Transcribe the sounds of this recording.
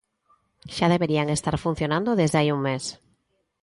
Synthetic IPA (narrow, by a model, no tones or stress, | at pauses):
ʃaðeβeɾiaŋest̪aɾfun̟θjonãnd̪oðezðeajuŋmes